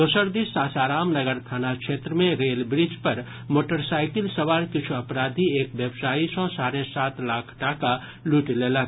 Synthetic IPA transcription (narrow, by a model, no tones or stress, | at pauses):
d̪osəɾd̪isaːsaːɾaːmnɐɡəɾt̪ʰaːnakʃeːt̪ɾəmẽɾeːlbɾɪd͡ʒpɐɾ | moːʈəɾsaːɪkɪlsɐʋaːɾkɪt͡ʃʰuɐpɾaːd̪ʱieːkʋjəbsaːisɔ̃saːɾesaːt̪laːkʰʈaːka | luːʈleːla